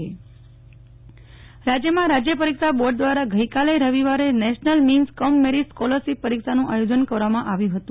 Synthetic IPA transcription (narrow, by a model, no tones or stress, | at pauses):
e | ɾad͡ʒjəmãɾad͡ʒjəpəɾikʃaboɾɖ̚d̪ʋaɾaɡʱəikalejɾəʋiʋaɾenɛʃnəlminskɔmːeɾiskɔləɾsipəɾikʃanũʔajod͡ʒənkəɾʋamãʔaʋjũɦət̪ũ